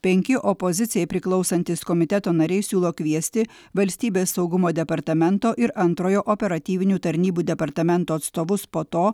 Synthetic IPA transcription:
pʲɛŋʲkʲɪʔɔpozʲɪt̪sʲɪjɛɪpʲɾʲɪklˠɒʊsɐnʲt̪ʲɪskomʲɪt̪ʲɛt̪oːnɐɾʲɛɪsʲuːlˠoːkʲʋʲiɛsʲt̪ʲɪ | ʋɐlʲsʲt̪ʲiːbʲeːsːɐʊɡʊmoːd̪ʲɛpɐɾt̪ɐmʲɛnt̪oːʔɪɾɐnt̪ɾoːjoːʔɔpʲɛɾɐt̪ʲiːʋʲɪnʲuːt̪ɐɾʲnʲiːbuːd̪ʲɛpɐɾt̪ɐmʲɛnt̪uːɐt̪st̪oːʋʊspoːt̪oː

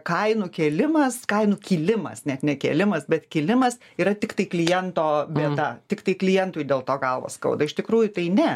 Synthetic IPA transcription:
kɐɪnʊkʲeːlʲɪmɐskɐɪnʊkʲiːlʲɪmɐ̰snʲɛt̪nʲɛkʲḛːlʲɪmɐsbʲɛt̪kʲiːlʲɪmɐs | iːɾɐt̪ʲɪkt̪ɐɪklʲɪjɛnt̪oːbʲeɛt̪ɐt̪ʲɪkt̪ɐɪklʲɪjɛnt̪uːjd̪ʲeːlˠt̪oːɡɐlˠʋo̰ːskɐ̰ʊd̪ɐɪʃt̪ʲɪkɾuːjʊt̪ɐɪnʲɛ

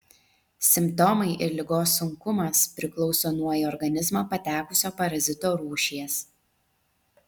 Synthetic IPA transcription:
sʲɪmpt̪ɔmɐɪʔɪɾlʲɪɡoːsːʊŋkʊmɐspʲɾʲɪklˠɔʊsoːnuɔjɛɔɾɡɐnʲɪzmɑpɐt̪ʲæːkʊsʲoːpɐɾɐzʲɪt̪oːɾuːʃʲiɛs

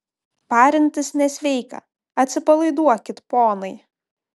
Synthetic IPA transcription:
pɑːɾʲɪnʲt̪ʲɪsnʲɛsʲʋʲɛɪkɐ̰ | ɐt̪ʲsʲɪpɐlˠɐɪd̪uɔkʲɪt̪poːnɐɪ

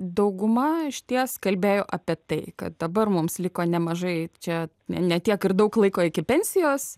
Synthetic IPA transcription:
d̪ɐʊɡʊmɐɪʃʲt̪ʲiɛskɐlʲbʲeːjoːʔɐpʲiɛt̪ɐɪkɐ̰t̪̚d̪ɐbɐrmʊmslʲɪkoːnʲɛmɐʒɐɪt͡ʃʲɛ | nʲɛnʲɛt̪ʲiɛkɪrd̪ɐʊklˠɐɪkoːɪkʲɪpʲɛnʲsʲɪjoːs

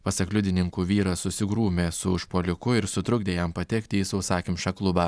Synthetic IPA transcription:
pɐsɐklʲʊd̪ʲɪnʲɪŋkuːʋʲiːɾɐsʊsʲɪɡɾuːmʲeːsʊʊʃpoːlʲɪkʊɪɾsʊt̪ɾʊɡd̪ʲeːjɛmpɐt̪ʲɛkt̪ʲɪisɐʊsɑːkʲɪmʃʲɐklˠʊbɑː

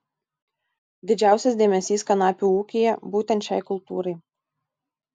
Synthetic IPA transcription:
d̪ʲɪd͡ʒʲæˑʊsʲɛsʲd̪ʲeːmʲɛsʲiːskɐnɑːpʲuːˑuːkʲijɛbuːt̪ʲɛnt̪ʲʃʲɛ̰ɪkʊlˠt̪ṵːɾɐɪ

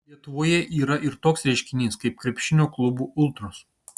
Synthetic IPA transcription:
lʲiɛt̪ʊʋoːjɛʔiːɾɐʔɪɾt̪oːksɾʲɛɪʃʲkʲɪnʲiːskɐɪp̚kɾʲɛpʲʃʲɪnʲoːklˠʊbuːʔʊlˠt̪ɾʊs

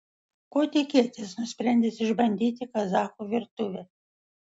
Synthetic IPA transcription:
koːt̪ʲɪkʲiɛt̪ʲesnʊsʲpʲɾʲɛnʲd̪ʲesɪʒbɐnʲd̪ʲiːt̪ʲɪkɐzɑːkuːʋʲɪɾt̪ʊʋʲe

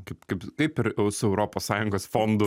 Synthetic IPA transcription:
kɐɪpkɐɪpkɐɪpɪɾɛʊsʊɛʊɾoːpoːssɑːjʊŋɡoːsfoːnd̪ʊ

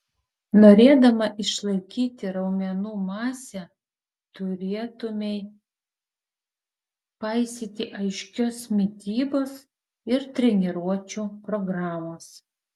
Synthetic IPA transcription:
noːɾʲeːd̪ɐmɐʔɪʃlˠɐɪkʲiːt̪ʲɪɾɐʊmʲɛnuːmɑːsʲɛ | t̪ʊɾʲeːt̪ʊmʲɛɪ | pɐɪsʲiːt̪ʲɪʔɐɪʃʲkʲoːsmʲɪt̪ʲiːboːs | ɪɾt̪ʲɾʲɛnʲɛɾuɔt͡ʃʲupɾɔɡɾɑːmoːs

